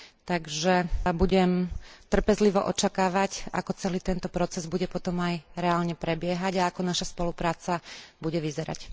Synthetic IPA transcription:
t̪aɡʒɛbuɟɛmt̪r̩pɛzliʋɔ̰ʔɔt͡ʃakaːʋaca̰kɔt͡sɛliːt̪ɛnt̪ɔpɾɔt͡sɛzbuɟɛpɔt̪ɔmajɾɛaːlɲɛpɾɛbɪɛɦaɟaakɔnaʃaspɔlupɾaːt͡sabuɟɛʋizɛɾa̰c

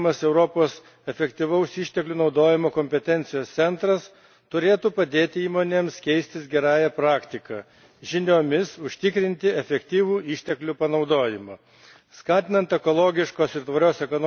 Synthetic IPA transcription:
mɐsɛʊɾoːpoːs | ɛfʲɛkt̪ʲiʋɐʊsiːʃʲt̪ʲɛklʲuːnɒʊd̪oːjɪmoːkoːmʲpʲɛt̪ʲɛnʲt̪sʲɪjoːst̪sʲɛnt̪ɾɐs | t̪ʊɾʲeːt̪uːpɐd̪ʲeːt̪ʲɪiːmoːnʲeːmskʲɛɪsʲt̪ʲɪsɡʲɛɾɑːjɛpɾɑːkt̪ʲɪkɑ | ʒʲɪnʲoːmʲɪsʊʃʲt̪ʲɪkɾʲɪnʲt̪ʲɪɛfʲɛkt̪ʲiːʋuːiːʃʲt̪ʲɛklʲupɐnɒʊd̪oːjɪmɐː | skɑːt̪ʲɪnɐnt̪ɛkoːlˠoːɡʲɪʃkoːsɪɾt̪ʋɐɾʲoːsɛkono

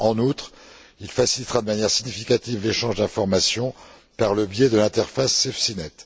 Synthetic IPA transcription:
ɑ̃nut̪χ | ilfasilit̪ʁad̪əmanjɛʁsiɲifikʲat̪ivleʃɑ̃ʒd̪ɛ̃fɔʁmasjɔ̃ | paʁləbjɛd̪əlɛ̃t̪ɛʁfasːefsinɛt̪

